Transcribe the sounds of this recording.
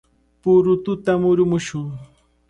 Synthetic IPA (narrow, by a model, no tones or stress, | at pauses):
pʊɾʊt̪ʊt̪amʊɾʊmʊʃʊŋ